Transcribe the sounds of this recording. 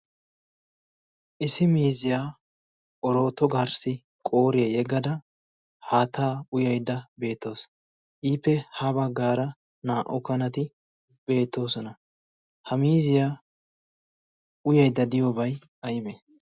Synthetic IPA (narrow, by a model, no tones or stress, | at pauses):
ʔɪsɪmiːzɪjaː | ʔɔɾo̞ːt̪ːɔɡaɾsɪ | kʼo̞ːɾɪɐjɛɡɐd̪ɐ | haːt̪aːʊjɐjd̪ːɐbe̞ːt̪ːo̞ːs | ʔiːpːɛhabɐɡːaːɾɐ | naːʔɔkɐnɐt̪ɪ | b̥e̞ːt̪ːo̞ːsɔnɐ | hɐmiːzɪjaː | ʊjɐjd̪ːɐd̪ɪjobɐjɐjɪbɛ